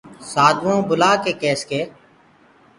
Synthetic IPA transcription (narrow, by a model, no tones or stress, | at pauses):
saːd̪ʋõːbʊlaːkeːkeːskeː